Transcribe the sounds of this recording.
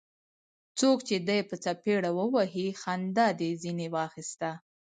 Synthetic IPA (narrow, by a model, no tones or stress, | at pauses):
t͡sokt͡ʃed̪ajpət͡sapeɽawəwaɦixand̪ɑd̪ezinewɑxist̪a